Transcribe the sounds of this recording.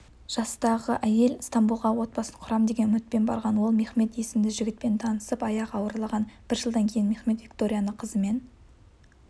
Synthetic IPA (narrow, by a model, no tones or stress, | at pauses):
ʒ̥ɑst̪ɑʁəʔæje̞lst̪ɑmbulˠʁɑwo̞t̪̚bɑsəqʰʊɾɑmd̪e̞ɡʲe̞nmɪt̪̚pe̞nbɑ̰ɾʁɑnwo̞lˠme̞χme̞t̪je̞sɪmd̪ɪʒɪɡʲɪt̪̚pe̞nt̪ʰɑnəsəpɑjɑqɑwəɾlˠɑʁɑnb̥ɪɾʒəlˠd̪ɑŋkʲʰe̞jɪnme̞χme̞t̪vʲikt̪o̞ɾʲijanəqʰəzəme̞n